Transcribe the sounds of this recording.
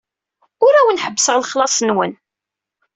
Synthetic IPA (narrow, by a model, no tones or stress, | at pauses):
ʊɾæwənħəbːsəʁləχlɑsˤnwən